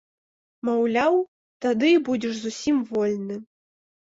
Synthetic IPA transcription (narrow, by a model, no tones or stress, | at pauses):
mawlʲaw | t̪ad̪ɨibud͡zʲɛʂzusʲimvɔlʲnɨ